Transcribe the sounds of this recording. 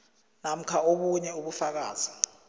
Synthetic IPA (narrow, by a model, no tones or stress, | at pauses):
nam̩kʰaoɓuɲɛuɓufak̬aːz̥i